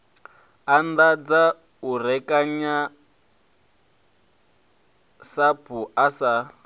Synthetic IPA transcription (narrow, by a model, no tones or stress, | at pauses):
andad͡za | uɾɛkʼaɲa | sabʰuasa